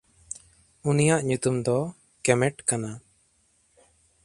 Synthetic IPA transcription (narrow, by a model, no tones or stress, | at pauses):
unijaʔɲut̪umd̪ɔ | kɛmɛʈkana